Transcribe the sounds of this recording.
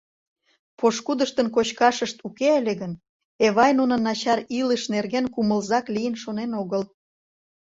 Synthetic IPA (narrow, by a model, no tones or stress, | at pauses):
poʃkud̪əʃt̪ənk̬ot͡ɕkɑʃəʃt̪ukeelʲeɣən | eβɑjnunə̆nɑt͡ɕɑɾiləʃnerɣenkuməlzɑklijənʃonenoɣəl